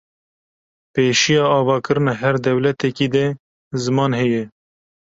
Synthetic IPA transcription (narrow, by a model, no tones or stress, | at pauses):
peːʃijɑːɑːvɑːkɨɾɨnɑːɦɛɾd̪ɛwlɛt̪ɛkiːd̪ɛ | zɨmɑːnɦɛjɛ